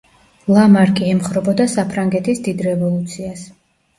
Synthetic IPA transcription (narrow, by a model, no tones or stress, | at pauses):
lˠamaɾkʼiɛmχɾɔbɔd̪asapʰɾaŋɡɛt̪ʰisd̪id̪ɾɛvɔlˠut̪sʰias